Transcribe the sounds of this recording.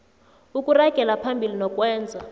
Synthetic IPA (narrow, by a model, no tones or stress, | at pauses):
ukʼuraɡ̥ʱɛlapʰambʱilinɔkʼwɛːnd͡zʱa